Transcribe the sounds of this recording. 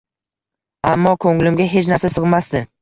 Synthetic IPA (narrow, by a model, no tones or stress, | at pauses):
amːɒkʰɵŋlɪmɡʲaɦe̞t͡ʃnaɾsasɨʁmast̪ɪ